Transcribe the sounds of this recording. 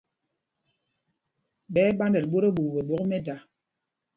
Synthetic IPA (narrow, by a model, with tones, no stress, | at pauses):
ɓɛː˦ɓa˦ndɛ˨lɓo˦ɾe˦ɓu˨ve˨ɓɔ˨˦kmɛ˦da˨